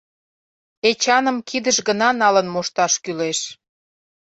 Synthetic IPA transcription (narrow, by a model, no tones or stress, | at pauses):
et͡ɕɑnəmkid̪əʃɡənɑnɑlənmoʃt̪ɑʃkyleʃ